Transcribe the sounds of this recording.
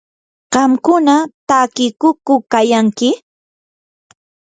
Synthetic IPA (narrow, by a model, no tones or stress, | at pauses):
ɢ̥ɑmkʊnat̪akɪkʊkʊkajaŋkɪ